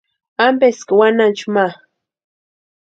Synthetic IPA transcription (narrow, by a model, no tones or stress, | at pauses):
ampeskɪwanant͡ʃuma